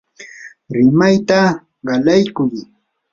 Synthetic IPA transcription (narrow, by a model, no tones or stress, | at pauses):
ɾɪmajt̪a | ɢɑlajkʊj